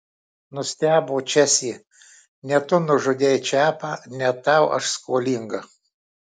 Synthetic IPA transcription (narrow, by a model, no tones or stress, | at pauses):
nʊsʲt̪ʲæːboːt͡ʃʲɛsʲiː | nʲɛt̪ʊnʊʒʊd̪ʲejt͡ʃʲæːpɑnʲɛt̪ɑʊʔɐ̰ʃskoːlʲiŋɡɐ